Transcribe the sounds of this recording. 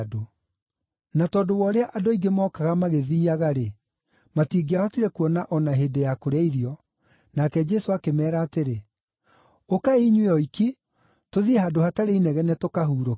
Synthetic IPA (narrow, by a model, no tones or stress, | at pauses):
do | natɔːdowɔːɾeaʔadoiɡemɔːkaɣamaɣeðiːaɣaɾe | matiːɡeahɔtiɾɛkuɔnaʔɔnaɦedejakoɾaiɾiɔ | nakɛd͡ʒɛsoakemɛːɾaːteɾe | okaeiɲweɔiki | toðieɦadohataɾeinɛɣɛnɛtokaɦuːɾo